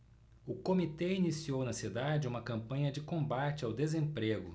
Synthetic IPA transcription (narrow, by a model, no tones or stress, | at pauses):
ʊkomit̪einisiownɐsid̪ad͡ʒɪũmɐkɐ̃mpɐ̃ɲɐd͡ʒɪkõmbat͡ʃɪawd̪ezẽmpɾeɡʊ